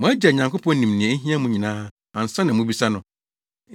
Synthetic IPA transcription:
mʊ̃˨˦æ˦d͡ʑa˨ɲã˨ŋko˦pʰɔ̃˦n˦nĩ˨mnɪ̃˨ɛ̃˨˦ɦĩ˦ã˦mũ˦ɲĩ˨nãː˦ | ã˨n̩˨sã˦nã˨mũ˦bi˦sa˦nʊ̃˨

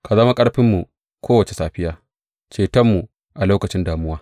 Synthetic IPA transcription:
ka˨zɐ˦ma˦kʼɐ˦ɽɸɪ˦mːu˨ | kʰʷoː˦wɐ˨t͡ʃe˨saː˦ɸɪ˦jaː˦ | t͡ʃeː˨tɐ˦mːu˨ | ʔa˨loː˦kɐ˨t͡ʃɪ˦ndaː˨mʊ˦waː˦

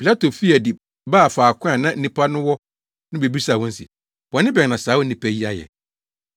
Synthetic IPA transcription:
pʰi˨la˦tʰo˨fi˦ɛ˨di˨ | baː˦˨faː˨kʰʊ̃˦ã˨nã˦n̩˦nĩ˦pʰa˦nʊ̃˦wɔ˦ | nʊ̃˦be˨bi˦sa˨wɔ̃˦n̩˦sḭ˨ | wɔ˨nɪ̃˦bɛ˨nã˨saː˨˦wɔ˦n˦nĩ˨pʰæ˦ji˦a˨jɛ̰˨

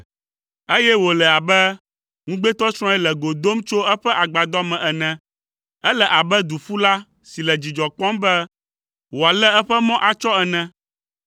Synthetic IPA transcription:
e˦jɛ˦wo˨lɛ˨a˨bɛ˦ | ŋũ˦ɡ͡bɛ˦t̪ɔ˦sɾ̃ɔ̃˦ɛ˦lɛ˨ɡo˨d̪o˦mt͡ʃo˦ɛ˦ɸɛ˦ʔa˨ɡ͡ba˨d̪ɔ˦mɛ̃˨ʔɛ˨nɛ̃˨ | ɛ˦lɛ˨ʔa˨bɛ˦d̪u˨fu˦la˦ | si˨lɛ˨d͡ʑi˨d͡ʒɔ˨k͡pɔ̃˦mbɛ˦ | wo˨a˨lɛ˦ɛ˦ɸɛ˦mɔ̃˦ʔa˨t͡ʃɔ˦ɛ˨nɛ̃˦

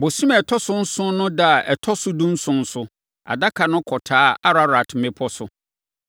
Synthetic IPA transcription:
bo˨si˦mɛ˨tʰɔ˦sʊ˦n̩˦sʊ̃˦nʊ̃˦da˦˨ʔɛ˨tʰɔ˦sʊ˦dũ˦n̩˦sʊ̃˦n̩˦sʊ˦ | a̰˨da˦kʰa˨nʊ̃˦kʰɔ˨tʰaː˦a˦ɾa˨ɾa˨tʰɪ˨mẽ˦pʰɔ˦sʊ˨˦

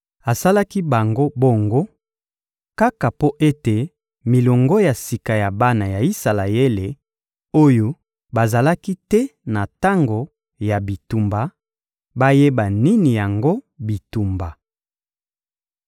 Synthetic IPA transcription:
a˨sa˦la˦ki˦ba˨ŋɡo˦bo˦ŋɡo˦ | ka˦ka˨po˦ʔe˦te˨ | mi˨lo˨ŋɡɔ˦ja˨si˨ka˨ja˨ba˦na˨ja˨i˦sa˨la˨je˦le˨ | o˦jo˦ | ba˨za˨la˦ki˦tɛ˦na˨ta˦ŋɡo˨ | ja˨bi˨tu˨mba˨ | ba˦je˦ba˨ni˦ni˨ja˨ŋɡo˦ | bi˨tu˨mba˨

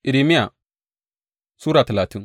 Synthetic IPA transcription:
ʔi˨ɾi˨mi˦ja˨ | suː˦ɾa˨tɐ˨laː˨ti˦n

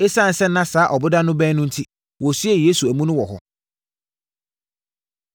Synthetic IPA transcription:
e˦sã˦˨n̩˨˦sɛ˦n̩ː˦ã˦saː˨˦ʔɔ˨bʊ˦dã˦nʊ̃˦bɛ̃ː˦nʊ̃˦n̩˦tʰi˦ | wɔ˨sɥe˦˨je˦su˨æ˨mũ˦nʊ̃˦wɔ˨ɦɔ̰˨

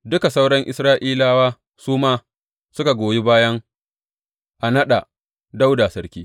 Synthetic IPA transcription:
dʊ˦ka˨sa˦wɽɐ˦ŋʔɪ̰˨sɾaː˦ʔiː˦laː˦waː˦ | suː˦maː˦ | sʊ˦ka˨ɡʷoː˨ji˦baː˦jɐ˦ŋ | ʔa˨nɐ˦ɗa˨ | da˦wda˨sɐ˦ɾkʲiː˦

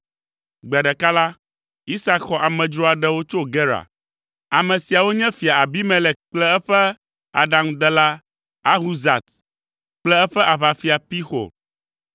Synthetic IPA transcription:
ɡ͡be˨a˨ɖɛ˨ka˦la˦ | i˦sa˦kxɔ˨ʔa˨mɛ̃˨d͡ʒɾɔ˦a˨ɖɛ˦wo˦t͡ʃo˦ɡɛ˦ɾa̰˨ | a˨mɛ̃˨si˨a˨wo˦ɲɛ̃˦fi˨a˨a˨bi˦mɛ̃˨lɛ˨k͡plɛ˦ɛ˦ɸɛ˦ | a̰˨ɖa˨ŋ˦d̪ɛ˨la˦ | a˦ɦu˦za˨t̪ | k͡plɛ˦ɛ˦ɸɛ˦ʔa˨βa˨fi˨a˨pi˦xo̰˨

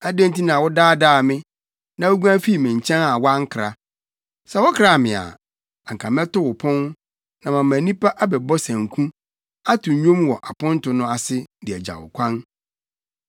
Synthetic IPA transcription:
æ˦dæ̃˦nti˦nã˨wɔ˦daː˦daː˦˨mɪ̃˦ | nã˨wo˦ɡu˦ã˦fi˦˨mɪ̃˨ɲ˨t͡ɕʰɛ̃˦na˨wa˦ŋ̩˦kʰɾa˨ | sɛ˨wɔ˦kʰɾa˨mɪ̃˨a̰˨ | a˨ŋ̩˨kʰa˨mɛ˦tʊ˦wʊ˨pʰʊ̃˦n | nã˨mã˨mæ̃˨nĩ˦pa˦ʔa˦bɛ˨bɔ˦sæ̃˨ŋ˨kʰũ˦ | a˦tʰʊ̃˨ɲᶣõ˦mwɔ˨ʔa˨pʊ̃˦n˦tʊ˨nʊ̃˦a˨sɪ˦dɪ˨ɛ˨d͡ʑa̰˨wʊ̰˨kʷʰã˦n

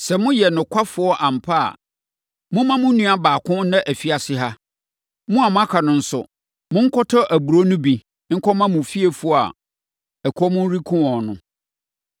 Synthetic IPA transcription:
sɛ˨mʊ̃˦jɛ˨nʊ̃˨kʰʷa˦fʊ˨ɔ˦ʔã˨m̩˨pʰa˦a̰˨ | mʊ̃˦mã˦mʊ̃˦nũ˦a˦baː˨kʰʊ̃˦nã˦ʔæ˨fi˨a˨sɪ˦ɦa˦ | mʊ̃˦a˨mʊ̃˦a˦kʰa˨nʊ̃˨n̩˦sʊ̰˨ | mʊ̃˦ŋ̩˦kʰɔ˦tʰɔ˦ʔæ˨bu˨ɾo˦nʊ̃˦bi˨ | ŋ̩˦kʰɔ˦mã˦mʊ̃˨fi˦e˨fu˦˨a̰˨ | ɛ˨kʰɔ˦mʊ̃˦n˦ɾi˦kʰʊ̃˦ɔ̃˨nʊ̰̃˨

